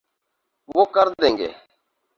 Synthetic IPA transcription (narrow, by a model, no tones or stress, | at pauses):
wokaɾd̪ɛŋɡɛ̰